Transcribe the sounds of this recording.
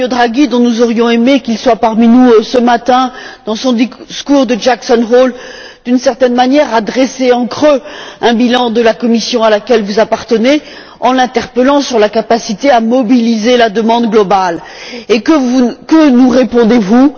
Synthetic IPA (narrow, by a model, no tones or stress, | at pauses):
od̪ʁaɡid̪ɔ̃nuzɔʁjɔ̃emekʲilswapaʁminusəmat̪ɛ̃d̪̥ɑ̃sɔ̃d̪iskuʁd̪əʒaksɔnʁol | d̪̥ynsɛʁt̪ɛnmanjɛʁad̪ʁeseɑ̃kχøɛ̃bilɑ̃d̪əlakɔmisjɔ̃alakʲɛlvuzapaʁt̪əne | ɑ̃lɛ̃t̪ɛʁpəlɑ̃syʁlakapasit̪eamɔbilizelad̪əmɑ̃d̪ɡlɔbal | ekəvukənuʁepɔ̃d̪evu